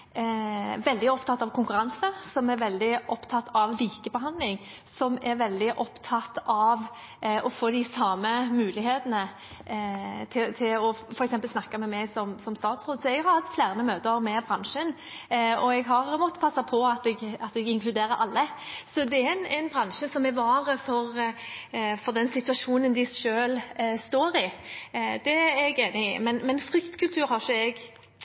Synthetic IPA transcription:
ʋɛld̪ɪɔpt̪ʰɑt̪ːɑʋkʰʊŋkʉɾɑnsəsɔmæɾʋɛld̪ɪʔɔpt̪ʰɑt̪ːɑʋliːkəbəɦɑnd̪lɪŋ | sɔmɛɾʋɛld̪ɪʔɔpt̪ʰɑt̪ɑʋ | ɔfoːd̪ɪsɑːməmʉːlɪheːt̪ənə | t̪ʰɪlt̪ʰɪlɔfɔɾɛksɛmpəlsnɑkːɑmɛmɛɡsɔmsɔmst̪ɑːt̪sɾoːd̪sɔɛɡhɑɾhɑt̪flæːɾənəmøːt̪əɾmɛbɾɑŋʂən | ɔɛɡɦɑɾmɔt̪ːə̥pʰɑsːɑpʰɔɑt̪ɛɡɑt̪ɛɡɪŋkʰlʉd̪eːɾəɾʔɑ̰lːəsɔd̪ɛæɛɪnænbʁɑnʂəsɔmɛʋɑːɾəfɔɾ | fɔʁd̪ɛnsɪt̪ʉɑʂuːnənd̪ɪʃøːlst̪oːɾɪ | d̪̥ɛæɛɡeːnɪɪ̰mɛnmɛnfɾʏkt̪kʰʉlt̪ʰʉːɾhɑʃəɛɡ

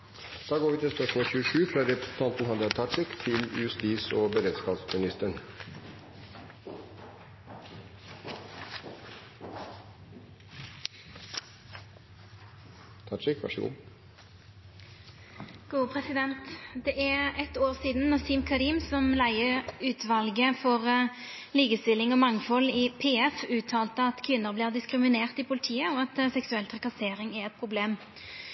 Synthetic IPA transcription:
d̪̥ɑːɡoːʋiːt̪ɪlspɔʂmɔːçʉːəʂʉːfɾɑːɾɛpɾəsn̩t̪ʰɑnt̪n̩hɑd̪əɑt̪ʰɑʂɪkt̪ʰɪlʉ̰ʉst̪iːsoːbəɾeːd̪skɑːbsmɪnɪst̪əɳ | t̪ʰɑʈʂɪkʋæ̰ʂəɡṵː | ɡ̥uːpʰʁɛsɪd̪ɛnt̪d̪ɛʔæʁɛt̪oːʁsiːd̪n̩nɑsiːmkʰɑɾiːmsɔmlæɪəʉːt̪ʰʋɑlɡəfɔʁ | liːkəst̪ɪlɪŋɔmɑŋfɔlɪpʰeːɛfʉːt̪ʰɑːlt̪əɑt̪kʰʋɪnːəʁbliːʁd̪ɪskʁɪmɪneːʁt̪ipʰʊlɪt̪ʰiːəoɑt̪sɛksʉɛlt̪ʰʁɛkɑseːʁɪŋɛʁɛt̪̚pʰʁʊbleːm

